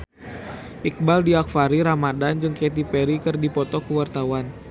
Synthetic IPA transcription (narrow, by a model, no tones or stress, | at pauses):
ʔik̚baldiak̚faɾiɾamadand͡ʒɨŋket̪̬ipɛɾikɨrdipɔt̪ɔkəwart̪awan